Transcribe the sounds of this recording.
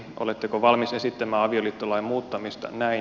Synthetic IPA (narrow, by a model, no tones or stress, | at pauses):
ʔo̰let̪ːekoʋɑlmise̞sit̪ːæmæːɑʋioliːt̪ːolɑimmuːt̪ːɑmist̪ɑ̰næi